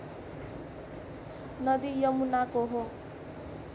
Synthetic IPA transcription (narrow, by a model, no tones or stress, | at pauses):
nʌd̪ijʌmunakoɦo